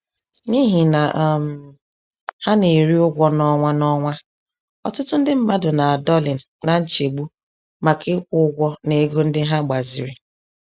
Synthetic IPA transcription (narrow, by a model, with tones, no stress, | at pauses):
ni˦ɦi˨na˨ʔm˨ | ha˦ne˨ɾi˦ʊ˦ɡʷɔ˦nɔ˦ŋʷa˦nɔ˦ŋʷa˦ | ɔ̰˨tʊ˦tʊ˦n̩˦dɪ˦m̩˦ma˦dʊ˨na˨a˨dɔ˦li˨n̩˨na˨n̩˦t͡ʃe˨ɡ͡bu˦ | ma˨kʰe˦kʷʊ˦ʊ˦ɡʷɔ˦ne˨˦ɡo˦n̩˦dɪ˦ɦa˦ɡ͡ba˨zḭ˨ɾi˨